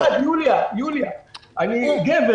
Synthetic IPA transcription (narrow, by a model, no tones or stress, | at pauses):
ajuliajuliaaniɡev